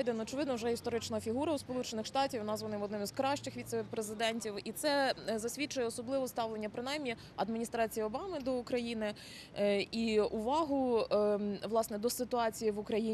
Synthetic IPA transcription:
jd̪enɔt͡ʃɪʋɪd̪nɔwʒɛist̪ɔɾɪt͡ʃnɐfʲiɦuɾɐuspɔlˠut͡ʃenɪxʂt̪ɑtʲiwnɑzʋɐnɪmɔd̪nɪmiz̥kɾɑʃt͡ʃɪxʋʲit̪sɛpɾezɪd̪ɛnʲtʲiwit̪sɛzɐsʲʋʲit͡ʃʊjɛɔsɔblˠɪʋɔst̪ɑʋlˠenʲːɐpɾɪnɑjmnʲi | ɐd̪mʲinʲist̪ɾɑt͡sʲijiɔbɑmɪd̪ɔukɾɐjinɪ | iuʋɑɦʊ | ʋlˠɑsnɛd̪ɔsɪt̪ʊɑt͡sʲijiʋʊkɾɐji

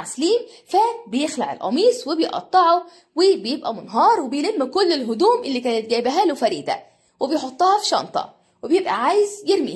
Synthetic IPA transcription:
sliːmfæbejexlaʕḛlʔɑ̰miːsˤwebejʔɑ̰t̪ˤːɑʕo | wɪbejebʔæmonɦɑːɾˤwebejlemːikʊlːelɦʊd̪uːmʔelːiːkæːnɪt̪̚ɡæːbæɦælofæɾiːd̪æ̰ | webejħot̪ˤːɑːhɑfi̥ʃɑ̰nt̪ˤɑ̰ | webejebʔæ̰ʕaːjezjeɾmḭ

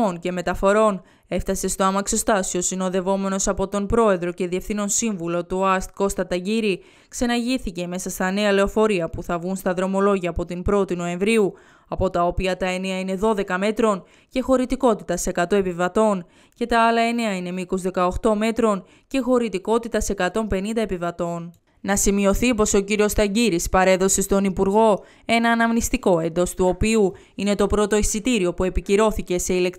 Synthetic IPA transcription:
once̞me̞t̪ɐfo̞ɾo̞n | e̞ft̪ɐse̞st̪o̞ɐmɐkso̞st̪ɐsio̞sino̞ðe̞vo̞me̞no̞sɐpo̞t̪o̞npɾo̞e̞ðɾo̞ce̞ðie̞fθino̞nsiɱvulo̞t̪uɐst̪̚ko̞st̪ɐt̪ɐʝiɾi | kse̞nɐʝiθice̞me̞sɐst̪ɐne̞ɐle̞o̞fo̞ɾiɐpuθɐvɣunst̪ɐðɾo̞mo̞lo̞ʝɐːpo̞t̪impɾo̞t̪ino̞e̞ɱvɾiu | ɐpo̞t̪ɐopiɐt̪ɐe̞ne̞ɐine̞ðo̞ðe̞kɐme̞t̪ɾo̞n | ce̞xo̞ɾit̪iko̞t̪it̪ɐse̞kɐt̪o̞e̞pivɐt̪o̞n | ce̞t̪ɐɐlɐe̞ne̞ɐine̞miko̞zðe̞kɐo̞xt̪o̞me̞t̪ɾo̞n | ce̞xo̞ɾit̪iko̞t̪it̪ɐse̞kɐt̪o̞mpe̞nind̪ɐe̞pivɐt̪o̞n | nɐsimio̞θipo̞so̞ciɾio̞st̪ɐɟiɾispɐɾe̞ðo̞se̞st̪o̞nipuɾɣo̞ | e̞nɐːnɐmnist̪iko̞e̞nd̪o̞st̪uo̞piu | ine̞t̪o̞pɾo̞t̪o̞isit̪iɾio̞pue̞piciɾo̞θice̞se̞ilekt̪

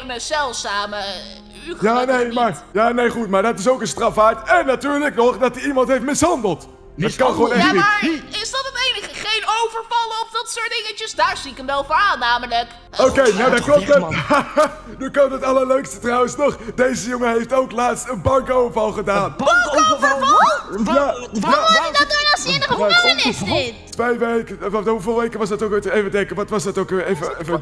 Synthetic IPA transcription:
nəzɛlˠsaːmə | yjaːnejmaːɹjaːnejχutmaːɹdɑtɪsowkənstrɑfaːɹtɛnːatyːɹləknɔχdɑtiimɑntɦejftmɪsɦɑndəlˠt | ɛtkɑnχəʋownɛiaɹɪsdɑtətejnəχəχejnowvəɹvɑləɔfdɑtsʊːt̚dɪŋət͡ʃəsdaːɹziɪkəmʋɛlˠfʊnaːnːaːmələk | okejnowdɔklɔpt | nyklɔptətɑləɹløɥkstətrɑwənsnɔχdejzəjoŋəɦejftowklaːtstənbɑŋkowvəɹvɑlˠχədaːnŋoəl | jaaddunɔsenəχəaɪttʋejʋekəuvɪːlˠʋejkəʋɑsdɑtowkɪtəejvədɛŋkəʋɑtʋɑsdɑtokejvəə

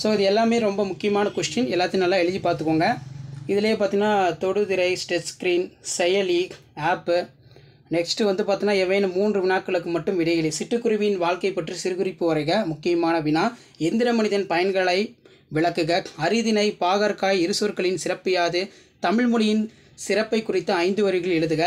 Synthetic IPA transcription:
soːɪðɯɛlːaːmeːɾɔmbɐmʊkːɪjɐmaːnɐkʊʂʈɪnɛlːaːt̪ːɯnɐlːãːɛɻɯd͡ʒipaːɾt̪ɯkːoːŋɡɐɪðɪlɐjeːpaːɾt̪iŋnaːt̪ɔɽɯðɪɾɐɪsʈɛskɾiːnsɛjɐliːk | aːpːɯ | nɛksʈɯʋɐnd̪ɯpaːɾt̪iŋnaːɛʋɐːnɯmːuːndrɯʋɪnaːkːɐɭɯkːɯmɐʈːɯmʋɪɽɐɪɐɭisɪʈːɯkːʊɾɯʋɪjɪnʋaːɭkɐɪpːɐʈːrɯsɪɾɯɣɯɾɪpːɯʋɐɾɐɪɣɐmʊkːɪjɐmaːnɐʋɪnaː | ɛnd̪ɪɾɐmɐnɪðɐnpɐjɐnɡɐɭɐɪ | ʋɪɭɐkːɯɣɐɐɾɪðɪnɐɪpaːɣɐɾkaːjɪɾɯsuːɾkɐɭɪnsɪɾɐpːɪjaːðɯ | t̪ɐmɪɻmʊlɪjɪn | sɪɾɐpːɐɪkːʊrɪt̪ːɐɐɪnd̪ɯʋɐɾɯɣɐɭɛɻɯðɯɣɐ

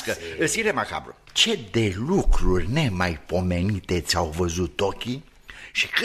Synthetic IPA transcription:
kəɨsiɾemaka̰bɾṵ | t͡ʃe̞d̪e̞lukɾurʲne̞majpo̞me̞nit̪e̞t̪sʲawvəzut̪ːo̞kʲi | ʃi̥k

